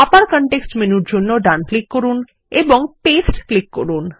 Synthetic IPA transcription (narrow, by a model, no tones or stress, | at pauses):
apaɾkɔɳʈeksʈmenuɾd͡ʑonːoɖanklikkoɾun | eboŋpesʈklikːoɾun